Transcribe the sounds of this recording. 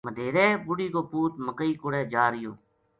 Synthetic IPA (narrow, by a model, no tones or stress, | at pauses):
məd̪ʱeːɾeːbʊɽiːkoːpuːt̪̚məkəiːkʊɽɛːd͡ʒaːɾɪjoː